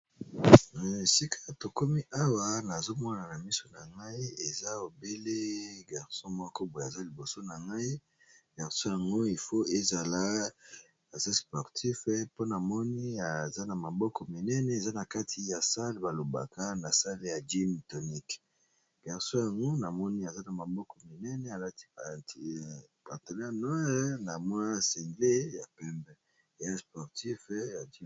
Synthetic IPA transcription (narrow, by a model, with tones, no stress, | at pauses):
si˦kʰa˦˨to˨ko˦mi˦ʔa˦wa˦na˨zo˦mɔ˦˨na˨na˨mi˦so˨na˨ŋɡa˦i˦e˨za˦o˨be˦le˦ɡa˨ʁsɔ̃˦mɔ˦ko˦bo˨a˨za˦li˨bo˨so˦na˨ŋɡa˦i˦ | ɡ̥a˨ʁsɔ̃˦ja˨ŋɡo˦i˨fo˦e˦za˨la˦ | a˨za˦spɔ˨ʁtʰi˦fɛ˦po˦na˨mɔ˦ni˦a˨za˦na˨ma˨bɔ˦kɔ˨mi˨nɛ˦nɛ˨e˨za˦na˨ka˦tʰi˨ja˨sa˦lba˨lo˨ba̰˨kʰa˦na˨sa˦le˦ja˨d͡ʒi˦mto˨ni˦k | bɛ˨ʁso˦ja˨ŋɡo˦na˨mɔ˦ni˦a˨za˦na˨ma˨bɔ˦kɔ˨mi˨nɛ˦nɛ˨a˨la˦ti̥˦˨ | ka˨to˨na˦nɔ˦na˨mwa˦sɛ˨ŋɡle˦ja˨pɛ˦mbɛ˦˨ | ja˦spɔ˨ʁti˦fɛ˦ja˨d͡ʒi˦